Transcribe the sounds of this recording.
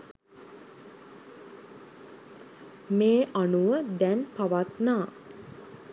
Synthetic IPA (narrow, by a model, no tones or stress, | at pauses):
meːʔanuʋəd̪ɛnpaʋat̪naː